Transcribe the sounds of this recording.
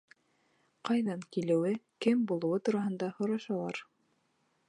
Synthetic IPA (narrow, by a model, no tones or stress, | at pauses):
qɑjðɑŋkilɘ̆wɘkɘmbulˠɤ̆wɤt̪uɾɑɦɤ̆nd̪ɑhŏɾɑʃɑlˠɑɾ